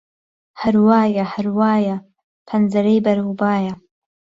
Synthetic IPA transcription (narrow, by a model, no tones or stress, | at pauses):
hɐɾwaːjɐhɐɾwaːjɐ | pʰɐnzɐɾɐjbɐɾhubaːjɐ